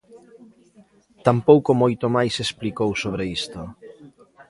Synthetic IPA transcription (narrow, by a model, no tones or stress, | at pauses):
t̪ampowkomojt̪omajsesplikowsoβ̞ɾeist̪o